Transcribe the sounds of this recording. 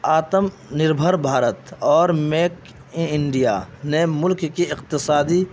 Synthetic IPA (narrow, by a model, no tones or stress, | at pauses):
aːt̪əm | nɪɾbʱəɾbʱaːɾət̪ɔːɾmeːk | ɪɳɖijanemʊlkkiɪqt̪ɪsaːd̪i